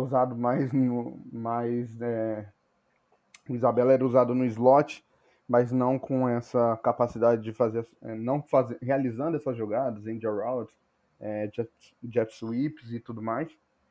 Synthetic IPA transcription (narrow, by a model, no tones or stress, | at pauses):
uzad̪ʊmajznʊmajzɛ | ʊizabɛlɐɛɾɐuzad̪ʊnʊɪzlɔt͡ʃɪ̥ | mɐznɐ̃w̃kõɛsɐkapasid̪ad͡ʒɪd͡ʒɪfazeɾɛ̰nɐ̃w̃fazẽhealizɐ̃nd̪ʊɛsɐzʒoɡad̪ɐzẽj̃d͡ʒɛɾawds | ɛd͡ʒɛ | d͡ʒɛfsuipzɪt̪ud̪ʊmajs